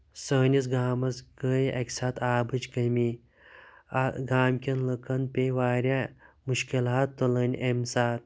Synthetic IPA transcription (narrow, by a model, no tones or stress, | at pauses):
səːnʲisɡaːmɐsɡəːjɐ̰kʲsaːt̪ʰaːbɨt͡ʃkɐmi | aɡaːmkʲɐnlɐkʰɐnpʲeʋaːɾʲja | muʃkilaːt̪ːolɐnʲʔemsaːt̪̚